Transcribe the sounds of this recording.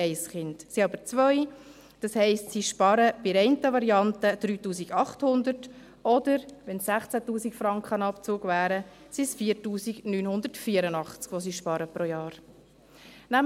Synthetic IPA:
ɛɪsχɪntsiɑbəɾt͡sʋœʏ | d̥ɑshɛɪstsiʃpɑɾəb̥ɪɾɛɪntəʋɑɾiɑntəd̥̪ɾyːtuːsiɡɑχthʊnd̪əɾt | ɔd̥əɾʋɛnssæχt͡sætuːsikfɾɑŋkχənɑpt͡suːɡʋæːɾə | sisfiːɾtuːsiɡnyːnhʊndəɾtfiəɾənɑχt͡skʋɔs̬iːʃpɑɾəpɾojɑːɾ | næm

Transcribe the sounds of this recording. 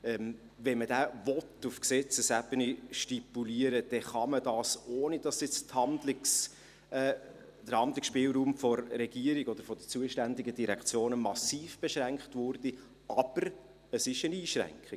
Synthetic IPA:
ɛm | vɛnmədæːvɔtːufksɛt͡səsæbəniʃtipuliəɾəd̥ɛχɑmədɑːsoːnidɑsjɪt͡sthɑndlɪs | d̥əhɑnd̪lɪksʃpɪːlˠɾuːmfɔɾːɛɡ̥iəɾiɡɔd̥əɾfɔd̥ət͡suːəʃtændiɡədiɾɛkχt͡sjoːnəmɑsiːfb̥eʃɾæŋkχtvʊɾd̥i | ɑb̥əɾ | əsɪʃəniːʃɾæ̰ŋkχi

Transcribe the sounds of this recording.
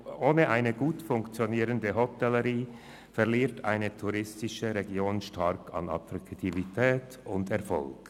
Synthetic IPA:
ʔoːnəʔaɪnəɡuːtfʊŋkt͡sjoniːʁəndəɦɔtɛləʁiː | fɛʁliːɐtʰaɪnətʰuʁɪstɪʃəʁeɡjoːnʃtaʁkʰɑ̰nɑ̰tʁaktʰivitʰɛːt | ʊndɛɐʁfɔ̰lk

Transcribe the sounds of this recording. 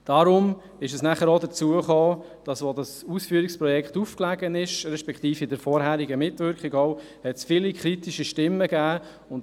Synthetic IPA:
d̥ɑɾʊm | ɪʃɛsnæχəɾodət͡suəχoː | d̥ɑsʋodɑsusfyːɾikspɾɔjɛkχtufklæɡənɪʃɾɛʃpɛkχt̪iːfɪdəɾfɔːɾhæːɾiɡəmɪtʋʏɾkχiɡɔʊ | hɛtsfɪlikχɾitiʃiʃtɪmːəɡ̥æː | ʊn

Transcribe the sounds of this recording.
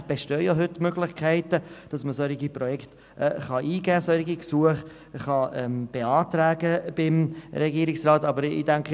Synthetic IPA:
b̥eʃtøːjoɦʏtmøɡlɪχkʰɛɪtəd̥ɑsməsœɾiɡipɾɔjɛkt | ʔɛ̰χɑʔiːɡæːsœɾɪɡiksuəχ | χɑɛmb̥eɑːtɾæːɡəb̥ɪmɾɛɡiːɾɪksrɑːtɑbəɾḭːdæŋkχə

